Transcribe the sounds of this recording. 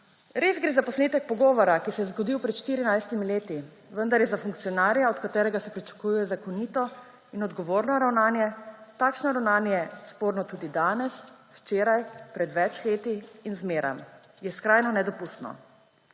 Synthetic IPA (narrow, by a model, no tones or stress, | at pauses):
ɾezɡɾeːzapɔsleːt̪ɛk̚pɔɡɔːʋɔɾakisɛjɛzɡɔd̪iwpɾɛt̪ʃt̪iɾinajst̪imileːt̪i | ʋənd̪aɾjɛzafuŋk̚t̪sijɔnaːɾjaɔt̪kat̪ɛːɾɛɡasɛpɾit͡ʃḁkujujɛzakɔniːt̪ɔ | inɔd̪ɡɔʋoːɾnɔɾawnaːnjɛt̪akʃnɔɾawnaːnjɛspoːɾnɔt̪uːd̪id̪aːnɛs | wt͡ʃeːɾajpɾɛd̪ʋɛt͡ʃleːt̪iːnzmeːɾa̰m | jɛskɾajnɔnɛd̪ɔpust̪nɔ̰